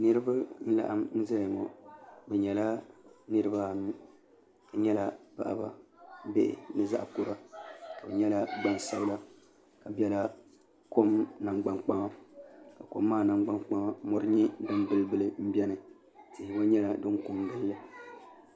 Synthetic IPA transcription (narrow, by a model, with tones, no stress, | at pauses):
nɨ˦ɾɨ˦ba˦n̩˦la̰˨ʔa˦mn̩˦za˦jŋo̰˨bɛ˨ɲɛ˨la˦nɨ˦ɾɨ˦ba˦ | ɲɛ˦la˨pa̰˨ʔa̰˨ba̰˨be˦ʔɪ̰˨nɨ˦za˦ʔku˦ɾa˦ka˨bɛ˨ɲɛ˦la˦ɡ͡ba˦n˨sa˦bla˦ | ka˨bjɛ˦la˦ | ko˦mna˨ŋɡ͡ba˨ŋk͡pa˦ma˦ka˨ko̰˦mːaː˦˨na˨ɡ͡ba˦ŋk͡pa˦ma˦mɔ˦ɾɨ˦ɲi˦dɨ˦mbɨ˦lbɨ˦lɨ˦m̩˦bɛ˦nɨ˨ | tɪ˨hɪ˨ba˦ɲɛ˦la˨dɨ˦ŋ˦ku˦mdɨ˦lːɨ˦